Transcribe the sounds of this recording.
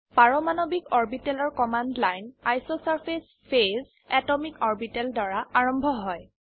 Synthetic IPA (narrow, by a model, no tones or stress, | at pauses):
paɹɔmanɔbikɔɹbitɛlɔɹkɔmandlajna̰jsosaɹpʰes | pʰez | ɛtɔmikɔɹbitɛldaɹaaɹɔmbʱɔɦɔj